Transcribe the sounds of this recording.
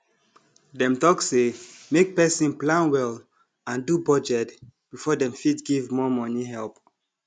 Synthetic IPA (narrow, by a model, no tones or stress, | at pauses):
dɛ̃mtɔksemek̚pɛsĩnplãnwɛl | ãndubɔd͡ʒɛtb̥ifɔdɛ̃mfidɡivmɔmɔniɦɛlp